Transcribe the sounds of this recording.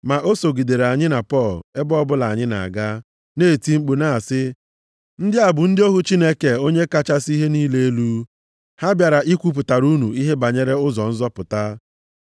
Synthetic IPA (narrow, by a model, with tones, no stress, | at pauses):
ma˨ʔo˦so˨ɡi˨de˨ɾe˨a˨ɲɪ˦na˨pɔ˦˨le˦bɔ˦bʊ˦la˨a˨ɲɪ˦na̰˨ɡa˦ | neː˦˨ti˦ŋ͡m̩˦k͡pu˨na˦˨sɪ˦ | n̩˦dɪ˦a˨bʊ˨n̩˦dɪ˦o˦ɦu˦t͡ʃi˦ne˦ke˨o˦ɲe˦ka˦t͡ʃa˦si˦ɦe˦niː˦le˦e˦lu˦ | ha˦bja˨ɾa˨ʔi˦kʷu˦p̬ʊ˨ta˨ɾu˦nu˨i˦ɦe˦ba˨ɲe˦ɾe˦ʊ˦zɔ˨n̩˦zɔ˦pʊ˨ta˦